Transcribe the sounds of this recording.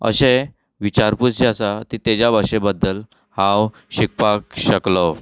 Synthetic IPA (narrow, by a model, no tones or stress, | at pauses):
ə̰ɕe | ʋit͡ɕaɾput͡sd͡ʑasat̪it̪ed͡ʑabʱaɕebəd̪ːəl | hãw | ɕik̚pakɕəklɔ